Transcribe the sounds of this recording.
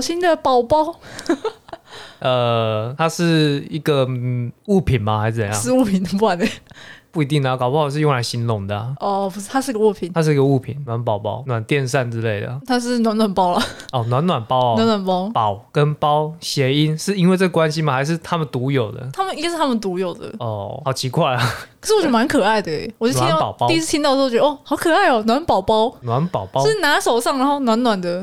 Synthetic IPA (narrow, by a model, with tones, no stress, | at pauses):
ɕi˦nd̪ə˨pɑ˨˩ʊpɑ˥ʊ | ʔə˨˩t̪ʰa˥ʂɻ̩˥˩i˧˥ɡə˨u˥˩pʰi˨˩nma˨xa˧ɪʂ̩˥˩t͡sə˨˩˧jɑ̰˥˧ʂ̩˥˧u˥˩pʰi˨˩nə˨˩pu˥˩a˨˦nd̪ə˨˦˩pu˥˩i˧˥t̪i˥˩ŋd̪ə˩˨kɑ˨˩ʊpɑ˥˩˧ʂɻ̩˥˧jo˥˩ŋla˧˥ɪɕi˧˥nlʊ˧˦ŋd̪ə̰˩˨˩ɔ˧˩u˧˥˧a˥ʂɻ̩˥˩˧ɡə˨u˥˩pʰi˨˩nʰa˦˥ʂɻ̩˥˩i˧˥ɡə˧u˥˩pʰḭ˨˩nnwa˨˦npɑ˨˩ʊpɑ̰˦˥ʊnwa˨˩nt̪jɛ˥˧nʂ̬a˥˧nt͡sɻ̩˦le˥˩ɪd̪ə̰˩t̪ʰa˥ʂ̬ɻ̩˥˩nwa˧˦nwa˨˩npɑ˥ʊlɐ˨ɔ˨˩nwa˨˧˦nwa˨˩npɑ˦ʊ˨wa˨˧˦nwa˨˩npɑ˥ʊpɑ˨˩˦ʊkə˦npɑ˦˥ʊɕjɛ˧˥i˦˥nʂɻ̩˥˩i˥nwe˥˧ɪt͡sə˥˩ɡə˨˩kwa˦nɕi˦mə˨xa˧˥ɪʂ̬ɻ̩˥˩t̪ʰa˦˥mə˨nt̪u˧˥jo˨˩ʊd̪ə̰˦t̪ʰa˥mə˨ni˧˥˧ʂɻ̩ʰ˥˩a˥mə˨nt̪u˧˥jo˨˩ʊd̪ə̰˩ɔ˥˩ɑ˨˩ʊt͡ɕʰi˧˥kwa˥˩ɪlɐ˨˩ə˨ʂ̩˥˩˨t͡ɕo˥˩ma˧˦nkʰɤ˨˩a˥˩ɪd̪ə˩ɛ̰˨˩wt͡ɕnt̪ʰpɑ˨˦p̪ɑ˥i˥˧˥t͡s̪ʰi˥nt̪ɑ˥˧˥ə˧ɔ˥˩xɑ˨˩˦ʊkʰɤ˨˩a˥ɪɔ˨˩nwa˧˦npɑ˨˩ʊpɑ˥ʊnwa˨˦npɑ˨˩ʊpɑ˦ɻ̩˥˩˨na˧˥ʂo˨˩ʊʂɑ˥˩ŋɻa˧˦nxo˥˩ʊnwa˧˥nnwa˨˩nd̪ə˦